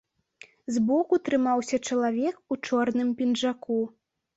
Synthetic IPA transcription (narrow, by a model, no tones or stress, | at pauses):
zbɔkut̪ɾɨmawsʲɐt͡ʂɐlˠavʲɛkut͡ʂɔrnɨmpʲinʐaku